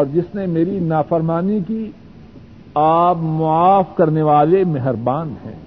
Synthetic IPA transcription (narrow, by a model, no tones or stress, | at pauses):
ɔːɾd͡ʒɪsnemeːɾinaːfəɾmaːniki | aːbmʊaːfkɐɾneʋaːlemɛɦɾbaːnhɛ̰̃ː